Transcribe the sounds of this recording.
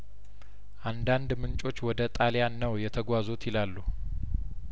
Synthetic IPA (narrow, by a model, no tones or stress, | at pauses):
ʔand̪and̪mɨnt͡ʃʼo̞t͡ʃːwɔd̪ət̪ʼaljanːəwjɛt̪ʰəɡʷazot̪ʰjɪlalːu